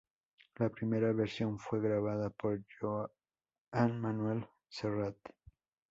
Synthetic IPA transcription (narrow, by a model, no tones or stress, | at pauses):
lapɾimeɾaβeɾsjo̞ɱfwe̞ɣɾaβ̞aðapoɾʝo | anmanwel | serat̪